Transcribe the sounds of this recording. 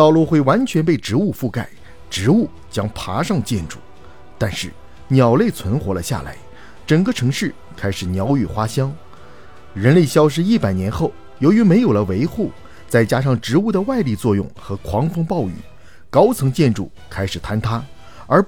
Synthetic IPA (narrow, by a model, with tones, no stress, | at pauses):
t̪ɑ˥˧ʊlu˥˧˩xwe˥˩ɪwa˧˥nt͡ɕʰɥɛ˧˥npe˥˩ɪʈ͡ʂɻ̩˧˥u˥˧fu˥˧ka˥˩ɪ | ʈ͡ʂɻ̩˧˥u˥˩ | t͡ɕjɑ˥ŋpʰa˧˥ʂɑ˥˧ŋt͡ɕjɛ̰˥˧nʈ͡ʂṵ˥˩ | t̪a˥˧nʂɻ̩˥˩ | njɑ˨˩ʊle˥˩ɪt͡sʰwə˧˥nxwɔ˧˥lə̰˧ɕja̰˥˩la̰˧˥ɪ | ʈ͡ʂə˨˩ŋɡə˧ʈ͡ʂʰɤ˧˥ŋʂɻ̩˥˩ | kʰa˥ɪʂɻ̩˨˩njɑ˧˥ʊy˨˩xwa˥ɕjɑ˥ŋ | ɻə˧˥nle˥˩ɪɕjɑ˥ʊʂ̬ɻ̩˥i˥˩pa˨˩ɪnjɛ˧˥nxo˥˩ʊ | jo˧˥ʊy˧˥me˧˥ɪjo˨˩ʊlə˦we˧˥ɪxu˥˩ | t͡sa˥˩ɪt͡ɕja˥ʂ̬ɑ˥˩ŋʈ͡ʂɻ̩˧˥u˥˩d̪ə˩wa˥˧ɪli˥˧t͡swɔ˥˧jʊ̰˥˩ŋxɤ˧˥kʰwɑ˧˥ŋfɤ˥ŋpɑ˥˧ʊy̰˥˩ | kɑ˥ʊt͡sʰɤ˧˥ŋt͡ɕjɛ˥˧nʈ͡ʂṵ˥˩ | kʰa˥ɪʂɻ̩˨˩t̪ʰa˥nt̪ʰa˥ | ə˞˧˥